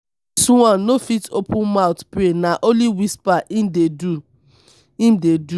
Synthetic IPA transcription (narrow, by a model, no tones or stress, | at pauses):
sũwãnːofitopũnmaʊtpɾenaʔoliwispaʔidedu | ĩmdedu